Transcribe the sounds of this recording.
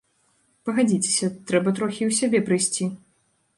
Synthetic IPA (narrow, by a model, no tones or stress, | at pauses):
pɐɣad͡zʲit͡sʲe̥sʲɐt̪ɾɛbɐt̪ɾɔxʲiwsʲabʲɛpɾɨjsʲt͡sʲi